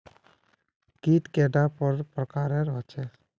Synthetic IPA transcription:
kit̪keɖapəɾpɾəkaːɾeɾɔt͡ʃʰɛ

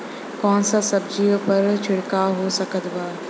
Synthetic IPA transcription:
kɔːnsasɐbd͡ʒiːpɐɾt͡ʃʰɪɽkaɦosɐkət̪baː

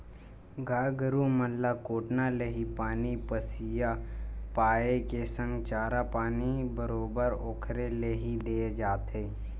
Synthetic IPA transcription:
ɡʱaːɡəɾuməlːakoːʈnaleːɦipaːnipəsijapaːekesə̃ŋɡt͡ʃaːɾapaːnibəɾoːbəɾoːkʰɾeleːɦid̪eːed͡ʒaːt̪eː

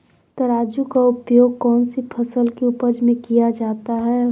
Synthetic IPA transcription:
t̪ɐɾaːd͡ʒukaʊpjoːɡ̚kɔːnsipʰəsəlkeʊpəd͡ʒmẽkijad͡ʒaːt̪aɦɛ

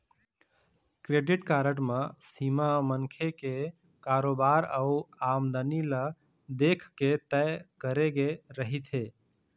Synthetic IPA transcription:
kɾeɖiʈkaːɾəʈmasimamənkʰeke | kaːɾobaɾəuamd̪ənilə | d̪ekʰket̪ɛjkəɾeɡeɾəɦit̪ʰe

